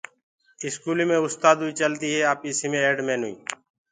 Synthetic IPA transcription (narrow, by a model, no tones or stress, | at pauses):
ɪskuːliːmẽːʊst̪aːd̪ɦuːiːt͡ʃəlt̪iːɦeːaːpiːsimẽːeːɖmẽːnṵḭː